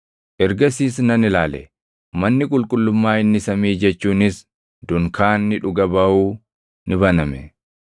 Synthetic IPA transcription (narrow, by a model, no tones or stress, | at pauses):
ʔɛɾɡɐsiːsnɐnɪlaːlɛ̰ | mɐnːɪkʼʊlkʼʊlːʊmːaːɪnːɪsɐmiːd͡ʒɛt͡ʃːuːnɪs | d̪ʊŋkʰaːnːɪᶑʊɡɐbɐuː | nɪbɐnɐmɛ